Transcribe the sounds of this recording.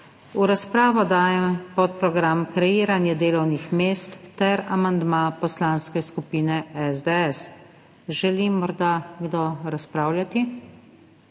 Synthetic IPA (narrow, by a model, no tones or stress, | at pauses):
uɾaspɾaːʋɔd̪aːjɛmpɔt̪̚pɾɔɡɾamkɾɛjiːɾanjɛd̪eːlɔwnixmeːst̪ːɛɾamand̪mapɔslanskɛskupiːnɛɛzd̪ɛɛs | ʒɛlimːɔɾd̪aɡd̪ɔɾaspɾaːwljat̪i